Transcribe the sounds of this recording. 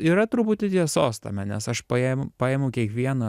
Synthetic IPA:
iːɾɐt̪ɾʊpʊt̪ʲɪt̪ʲiɛsoːst̪ɐ̰mʲɛnʲɛsɐʃpɐempɑːeːmʊkʲiɛkʋʲiɛnɐ

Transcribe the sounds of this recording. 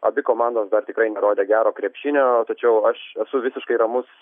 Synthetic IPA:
ɐ̰bʲɪkoːmɑnd̪oːsd̪ɐrt̪ʲɪkɾɐɪnʲɛɾoːd̪ʲeːɡʲæːɾoːkɾʲiɛpʲʃʲɪnʲoːt̪ɐt͡ʃʲɛʊɐʃɛsʊʋʲɪsʲɪʃkɐɪɾɐmʊs

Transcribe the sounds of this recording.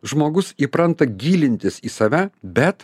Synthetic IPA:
ʒmoːɡʊsiːpɾɐnt̪ɐɡʲiːlʲɪnʲt̪ʲɪsiːsɐːʋʲæːbʲɛt̪

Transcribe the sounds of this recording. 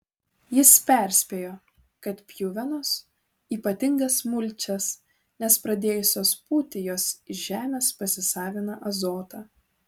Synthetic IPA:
jɪspʲæˑɾʲsʲpʲeːjoː | kɐt̪pʲjʊʋʲɛnoːs | iːpɐt̪ʲɪŋɡɐsmʊlʲt͡ʃʲɛs | nʲɛspɾɐd̪ʲeːjʊsʲoːspuːt̪ʲɪjoːsɪʒʲæːmʲeːspɐsʲɪsɑːʋʲɪnɐʔɐzoːt̪ɑː

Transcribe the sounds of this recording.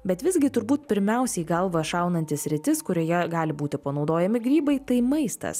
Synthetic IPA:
bʲɛt̪ʋʲɪzʲɡʲɪt̪ʊɾbuːt̪̚pʲɪɾʲmʲɛˑʊsʲɛɪɡɐlˠʋɐʃɑˑʊnɐnʲt̪ʲɪssʲɾʲɪt̪ʲɪskʊɾʲoːjɛɡɑːlʲɪbuːt̪ʲɪpɐnɒʊd̪oːjɛmʲɪɡɾʲiːbɐɪt̪ɐɪmɐɪst̪ɐ̰s

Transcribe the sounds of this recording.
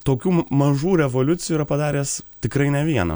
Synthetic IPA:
t̪oːkʲuːmɐʒuːɾʲɛʋoːlʲʊt̪sʲɪjuːɾɐpɐd̪ɑːɾʲeːst̪ʲɪkɾɐɪnʲɛʋʲiɛnɐ̰

